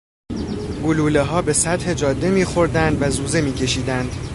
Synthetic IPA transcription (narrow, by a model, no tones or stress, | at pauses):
ɡoluːleɦɒːbe̞sæd̪he̞d͡ʒɒːd̪ːe̞miːxo̞ɾd̪ænd̪væzuːze̞miːcʰe̞ʃiːd̪ænd̪̥